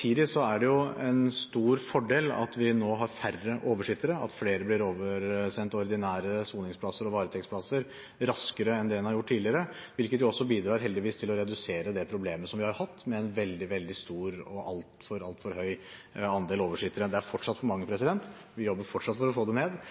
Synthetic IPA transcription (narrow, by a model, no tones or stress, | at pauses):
iːd̪ɪsɔæɖɛjʊɛnst̪uːɾfɔɖeːlɑ̰t̪ʋɪnoːɦɑɾfærːəʔoːʋəʂɪt̪əɾəɑ̰t̪fleːɾəblɪɾoːʋəɾsɛnt̪ɔɾɪd̪ɪnæːɾəsuːnɪŋspʰlɑsəɾɔʋɑːɾət̪ʰɛkspʰlɑsəɾ | ɾɑskəɾəɛnd̪ɛɛnhɑɾjʊʈʰːiːdlɪəɾəʋɪlkət̪jʊɔsːɔbiːd̪ɾɑːɾɦɛld̪ɪʋiːst̪ʰɪlɔɾɛd̪ʉseːɾəd̪ɛpʰɾʊbleːməsɔmʋɪhɑɾhɑt̪ːmɛɛnʋɛld̪ɪʋɛld̪ɪst̪uːɾɔʔɑ̰lt̪fɔɾɑlt̪fɔɾhœʏɑnd̪eːloːʋəʂɪt̪əɾəd̪ɛæɾfɔʈʂɑt̪ːfɔɾmɑŋːəpʰɾɛsɪd̪ɛnt̪ʋɪjɔbːəɾfɔʈʂɑt̪fɔɾɔfoːd̪ɛneːd̪